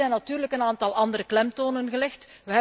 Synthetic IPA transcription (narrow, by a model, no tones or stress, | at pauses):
ɛjnːɑtyːrləkənaːntɑlˠʔɑnd̪əɾəklɛmtoːnənɣəlɛxt | ʋəɦɛ